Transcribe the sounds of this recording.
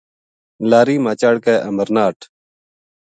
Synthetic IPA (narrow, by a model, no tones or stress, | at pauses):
laːɾiːmaːt͡ʃaːɽkaːʔəməɾnaːʈʰ